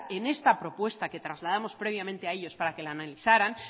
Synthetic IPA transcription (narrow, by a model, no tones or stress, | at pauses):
ene̞st̪apɾo̞pwe̞st̪ake̞t̪ɾazlað̞amo̞spɾe̞β̞jamẽnt̪e̞ae̞ʎo̞spaɾake̞laːnaliθaɾan